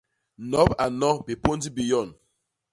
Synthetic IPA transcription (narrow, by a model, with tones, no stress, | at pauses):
nɔ˨˦ba˨nɔ˦bi˨po˦n˦di˦bi˨jɔ˦˨n